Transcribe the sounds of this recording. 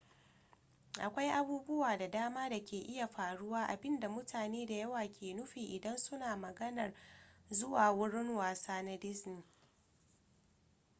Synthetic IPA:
ʔa˨kʷa˦jʔa˦buː˦bʊ˦waː˨da˨daː˦maː˦da˨kʲeː˨ʔɪ˦ja˨ɸaː˨ɽʊ˦waː˦ʔa̰˨bɪ˦nda˨mʊ˦tʰaː˨neː˦da˨jɐ˦waː˨kʲʰeː˨nʊ˦ɸiː˨ʔɪ˨dɐ˦nsʊ˦naː˨mɐ˨ɡɐ˦nɐ˨rzʊ˦waː˨wʊ˦ɽɪ˦ŋwaː˨saː˦na˦dɪ˦sni˨

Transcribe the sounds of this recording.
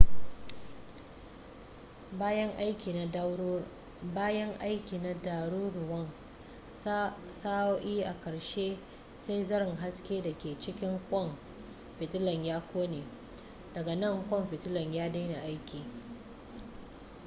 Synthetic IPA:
baː˦jɐ˦ŋʔa˦jkʲiː˨n˨˦ | baː˦jɐ˦ŋʔa˦jkʲiː˨na˨da˨ɽuː˦ɾʊ˨wɐ˦ŋ | saː˦ʔiː˦ʔa˨kɐ˨ɽʃeː˦ | sa˦jzɐ˦ɾɪ˨ŋɦa˦skʲeː˦da˨kʲeː˨t͡ʃɪ˦kʲɪ˦ŋkʷʼɔ˦˨m | ɸɪ˨tɪ˦lɐ˨ɲjaː˦kʷʰoː˦neː˨ | dɐ˨ɡa˨nɐ˦˨ŋkʷʼɔ˦˨mɸɪ˨tɪ˦lɐ˨ɲjaː˦da˦na˨ʔa˦jkʲiː˨

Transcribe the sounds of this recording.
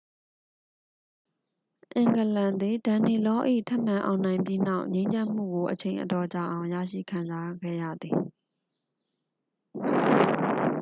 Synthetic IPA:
ʔɪ̃˨ŋɡə˨lã˨nd̪ði˨dã˨ni˨lɔ˦ʔḭ˦˨tʰɛ˦ʔmã˨ʔã̰˨ʊ̃nã˨ɪ̃mpji˦na˦˨ʊʔɲẽ˦ɪ̃ɲd͡ʑã˦m̥ṵ˦˨ɡo˨ʔət͡ɕʰẽ˨ɪ̃ʔə˨tɔ˨t͡ɕa̰˨ʔã˨ʊ̃jä̰˦˨ʃḭ˦˨kʰã˨nza˦ɡɛ̰˦˨jä̰˦˨d̪ði˨

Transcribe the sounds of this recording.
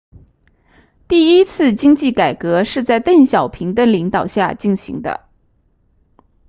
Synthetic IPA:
t̪i˥˩i˥t͡sʰɹ̩˥˧t͡ɕi˥ŋt͡ɕi˥˩ka˨˩ɪkɤ˧˥ʂɻ̩˥˧t͡sa˥˧ɪt̪ə˥˩ŋɕjɑ˨˩ʊpʰi˧˥ŋd̪ə˧li˧˥ŋt̪ɑ˨˩ʊɕja˥˧t͡ɕi˥˩nɕḭ˧˥ŋd̪ə̰˧

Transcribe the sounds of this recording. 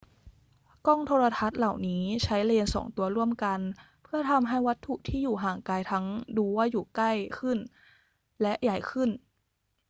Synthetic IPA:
kɔː˥˩ŋt̪ʰoː˧ɾa˧t̪ʰa˦˥t̪̚la˨˩wniː˦˥t͡ɕʰa˦˥jleː˧nsɔ̰ː˩˦ŋt̪u˧ɐɾu˥˩əmka˧n | pʰɯ˥˩ɐt̪ʰa˧mɦa˥˩jwa˦˥t̪ʰːu˨˩t̪ʰiː˥˩juː˨˩ɦaː˨˩ŋkaː˧jt̪ʰa˦˥ŋduː˧waː˥˩juː˨˩kla˥˩jkʰɯ˥˩n | lɛ˦˥ʔja˨˩jkʰɯ˥˩n

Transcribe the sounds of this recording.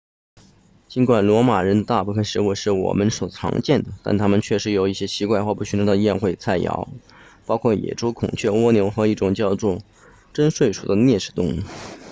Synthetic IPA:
t͡ɕi˧˥nkwa˨˩nlwɔ˧˥ma˨˩ɻə˧˥nd̪ə˧t̪a˥˧pu˥˩kʰə˥ʂɻ̩˧˥u˥˧ʂɻ̩˥˩wɔ̰˨˩mə˦nʂo˨˩ʊt͡sʰɑ̰˧˥ŋt͡ɕjɛ˥˩nd̪ə˩t̪a̰˥˩nt̪ʰa˥mə˨nt͡ɕʰɥɛ˥˩ʂɻ̩˧˥jo˨˩ʊi˥˩ɕjɛ˥ɕi˧˥kwa˥˧ɪxwɔ˥˧pu˥˩ɕy˥nʈ͡ʂʰɤ˧˥˧jɛ˥˧nxwe˥˧ɪt͡sʰa˥˩ɪjɑ̰˧˥ʊ | pɑ˥ʊkʰwɔ˥˩jɛ̰˨˩ʈ͡ʂo˥ʊkʰʊ̰˨˩ŋt͡ɕʰɥɛ˥˩wɔ˥njo˧˥ʊxɤ˧˥i˥˩ʈ͡ʂʊ˨˩ŋt͡ɕjɑ˥˧ʊʈ͡ʂʊ˥˩ | ʈ͡ʂə˥nʂwe˥˩ɪʂu˨˩d̪ə˦njɛ˥˧ʂɻ̩˥˩t̪ʊ˥˩ŋ˥˩

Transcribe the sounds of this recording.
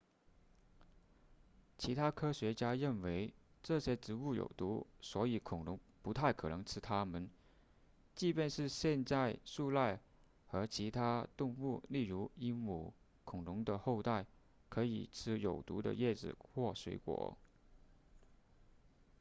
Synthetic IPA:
t͡ɕʰi˧˥t̪ʰa˥kʰɤ˥ɕɥɛ˧˥t͡ɕja˥ɻə˥˩nwe˧˥ɪʈ͡ʂɤ˥˩ɕjɛ˥ʈ͡ʂɻ̩˧˥u˥˩jo̰˨˩ʊt̪u˧˥swɔ˧˥i˨˩kʰʊ˨˩ŋɻʊ˧˥ŋpu˧˥t̪ʰa˥˩ɪkʰɤ˨˩nɤ˧˥ŋʈ͡ʂʰɻ̩˥t̪ʰa˥mə˨n | t͡ɕi˥˧pjɛ˥˧nʂɻ̩˥˧ɕjɛ˥˧nt͡sa˥˧ɪʂu˥˧la˥˩ɪ | xɤ˧˥t͡ɕʰi˧˥t̪ʰa˥t̪ʊ˥˧ŋu˥˧li˥˩ɻu˧˥i˥ŋmu˨˩ | kʰʊ˨˩ŋlʊ˧˥ŋd̪ə˧xo˥˧ʊt̪a˥˩ɪ | kʰɤ˧˥i˨˩t͡s̩ʰ˥jo˨˩ʊt̪ṵ˧˥d̪ə̰˧jɛ˥˩ʈ͡ʂɻ̩̰˨˩xwɔ˥˩swḛ˧˥ɪkwɔ̰˨˩˦

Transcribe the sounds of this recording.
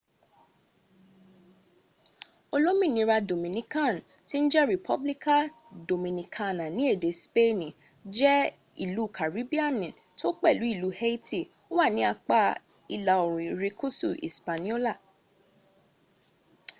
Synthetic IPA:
o˧lo˦mĩ˦˨nĩ˧˦ɾa˧do˨mĩ˨nĩ˨kã˦˨n˨ | ti˦n̩˦d͡ʒɛ˦ɾi˨pʰɔ˦bli˦ka˦˨ | do˨mĩ˨nĩ˨kʰã˦nã˨nĩ˨˦e˦˨de˨˦spe˦nĩ˨ | d͡ʒɛ˦ | ḭ˦˨lu˨˦˨kʰa˨ɾi˨˦bi˦a˦˨nĩ˨ | to˦k͡pɛ˦˨lu˨˦i˦˨lu˨˦he˦i˦ti˦˨ | o˦wa˦˨nĩ˨˦a˧k͡pa˦ | i˧la˨o˨ɾ̃ũ˨i˨ɾe˧ku˦sṵ˦˨ʔḭ˨spa˨nĩ˦o˦la˦˨

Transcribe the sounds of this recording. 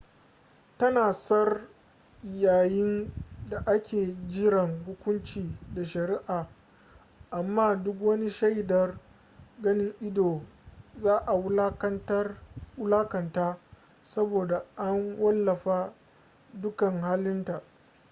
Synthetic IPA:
tɐ˦naː˨sɐ˦r | jaː˨jɪ˦nda˨ʔa˦kʲʰeː˨d͡ʒɪ˦ɾɐ˨ŋhʊ˦kʷʊ˦nt͡ʃiː˨da˨ʃɐ˨ɾi˦ʔaː˨ | ʔa˨mːaː˦˨dʊ˦k̬wɐ˦ni˦ʃa˦jdɐ˨r | ɡɐ˦nɪ˦ŋʔɪ˦doː˨zaː˦ʔa˨wtla˦kɐ˨ntaː˦ | sɐ˦boː˨da˨ʔa˦nwɐ˦lːɐ˨ɸaː˦ | dʊ˦kɐ˨ŋhaː˦lɪ˦nta˨ʔ

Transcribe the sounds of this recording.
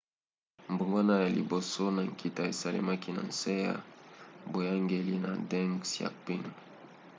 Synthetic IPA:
mbu˨ŋɡwa˦na˦ja˨lḭ˨bo˨so˦na˨ŋkʰi˨ta˦e˨sa˨lḛ˦ma˦ki˦na̰˨nse˦ja̰˦bo˨ja˦ŋɡe˦li˦na˨dɛ˦ŋsja̰˨k͡pi˦ŋ

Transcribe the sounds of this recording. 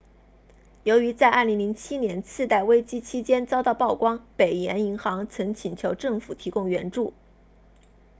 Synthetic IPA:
jo˧˥ʊy˧˥t͡sa˥˧ɪʔa˥˩li˧˥ŋli˧˥ŋt͡ɕʰi˥njɛ˧˥nt͡sʰɹ̩˥˧t̪a˥˩ɪwe˥ɪt͡ɕi˥t͡ɕʰi˥t͡ɕjɛ˥nt͡sɑ˥ʊt̪ɑ˥˧ʊpɑ˥˩ʊkwɑ˥ŋpe˨˩ɪjɛ˧˥ni˧˥ŋxɑ˧˥ŋt͡sʰɤ˧˥ŋt͡ɕʰi˨˩nt͡ɕʰjo˧˥ʊʈ͡ʂɤ˥˩ŋfu˨˩t̪ʰi˧˥kʊ˥˩ŋɥɛ˧˥nʈ͡ʂu˥˩

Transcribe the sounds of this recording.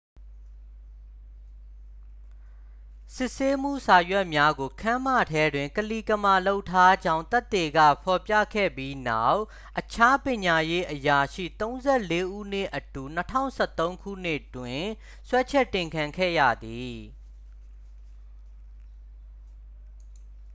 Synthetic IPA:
sɪ˦ʔse˦m̥ṵ˦˨sa˨jwɛ˦ʔmja˦ɡo˨kʰã˦mä̰˦˨tʰɛ˦dwɪ̃˨ŋkəli˨kə˨ma˨lo˦ʊtʰːa˦d͡ʑã˦ʊ̃nt̪ɛ˦t̪ːe˨ɡä̰˦˨pʰɔ˨pja̰˦˨kʰɛ̰˦˨bji˦na˦˨ʊʔ | ʔət͡ɕʰa˦pjɪ̃˨ɲa˨je˦ʔəja˨ʃḭ˦˨t̪õ˦ʊ̃nzɛ˦˨le˦ʔṵ˦˨n̥ɪ˦˨ʔətu˨n̥ətʰã̰˦˨ʊ̃sʰɛ˦˨t̪õ˦ʊ̃ŋkʰṵ˦˨n̥ɪ˦˨twɪ̃˨ | swɛ˦t͡ɕʰɛ˦˨tːɪ̃˨ŋkʰã˨ŋkʰɛ̰˦˨jä̰˦˨d̪i˨

